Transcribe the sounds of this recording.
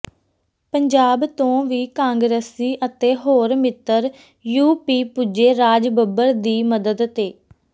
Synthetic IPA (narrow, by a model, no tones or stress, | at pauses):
pəɲd͡ʒaːbt̪õːʋiːkãːŋɡɾeːsiːʔət̪eːɦoːɾmɪt̪ːəɾ | juːpiːpud͡ʒeːɾaːd͡ʒbəbəɾd̪iːməd̪əd̪t̪eː